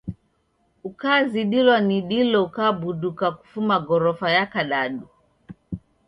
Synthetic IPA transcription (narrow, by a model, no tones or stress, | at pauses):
ukaːziɗilwaniɗilɔukaːbuɗukaku̥fumaɡɔɾɔfajakaɗaɗu